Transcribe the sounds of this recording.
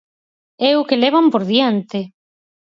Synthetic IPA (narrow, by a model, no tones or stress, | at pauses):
ɛʊkelɛβ̞ampoɾðjant̪ɪ